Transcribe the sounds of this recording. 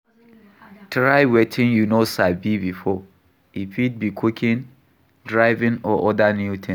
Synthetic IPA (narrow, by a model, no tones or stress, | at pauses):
tɹaɪwɛtʰĩnjunosaɪbibifɔ | ipʰid̚bikʰukʰĩn | dɹaɪvĩnɔʔɔdanjutʰn